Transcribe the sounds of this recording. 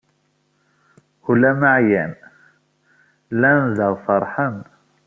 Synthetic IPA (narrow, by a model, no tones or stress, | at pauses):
hulæmaʕjæn | lænzəʁfɑɾˤħən